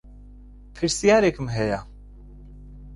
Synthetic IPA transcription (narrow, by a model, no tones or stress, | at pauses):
pʰɨɾsijaːɾekʰɨmɦɛja